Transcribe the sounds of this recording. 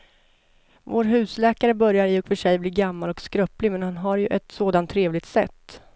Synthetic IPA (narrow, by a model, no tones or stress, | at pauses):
voːɾɦʉ̟ːslɛːkaɾəbœɾjaɾɪɔkfœʂɛjbliːɡamːalɔkskɾœplɪmɛnhanɦaɾjɵʔɛt̪soːd̪ant̪ʰːɾeːvlɪɡ̚t̪sɛ̰t̪ː